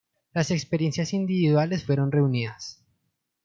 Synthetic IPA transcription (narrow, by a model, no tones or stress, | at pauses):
lase̞kspe̞ɾje̞nsjasind̪iβiðwale̞sfwe̞ɾo̞nre̞uniðas